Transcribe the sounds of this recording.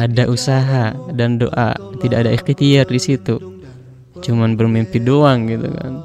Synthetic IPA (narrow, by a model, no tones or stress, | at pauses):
adaʔusaɦadando̰ʔa̰t̪idakadaikit̪iardisit̪u | t͡ʃumanbərmimpidoaŋɡit̪uka̰n